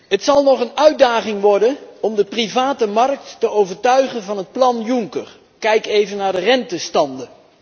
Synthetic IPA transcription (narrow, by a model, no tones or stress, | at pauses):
ɦətsɑlˠnɔχənœɥd̚daːχɪŋʋɔɹdənɔmdəprivaːtəmɑrk̚tːəowvəɹtœɥχənvɑnɦət̚plɑnjuŋkəɹ | kɛjkejvənːaːɹdərɛntəstɑndə